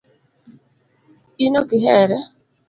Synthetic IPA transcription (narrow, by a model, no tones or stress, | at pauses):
inokɪɦɛɾɛ